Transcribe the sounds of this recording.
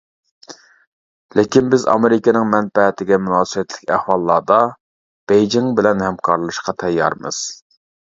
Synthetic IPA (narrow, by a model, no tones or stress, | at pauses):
lɪkʲinbɪzɑ̰meɾɪkʲɪnɪŋmɛnpɛt̪ʰɪɡʲɛmunɑːsɨbɛt̪lɪkʲæhwɑlˠːɑːd̪ɑ | b̥ejd͡ʒiŋbɪlɛnhɛmkʰɑɾlˠɨʃqɑt̪ʰɛjːɑ̰ɾmɨ̰z̥